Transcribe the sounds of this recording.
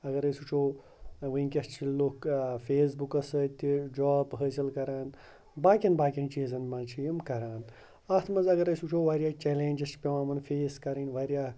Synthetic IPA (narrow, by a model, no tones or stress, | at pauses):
ɐɡɐɾɐjsut͡ʃʰoː | ʋɨnkʲɐst͡ʃʰilloːkfeːsbukɐsəːt̪ːid͡ʒaːbɦəːsilkɐɾaːn | baːkʲɐnbaːkʲint͡ʃiːzɐnmaːt͡ʃʰijimkɐɾaːn | ɐt̪ʰmɐnzɐɡɐɾɐsut͡ʃʰoːʋaːɾʲjaːt͡ʃɛleːnʲd͡ʒɐst͡ʃpʲeʋaːmɐnfʰeːskɐɾɐnʲʋaːɾʲjaː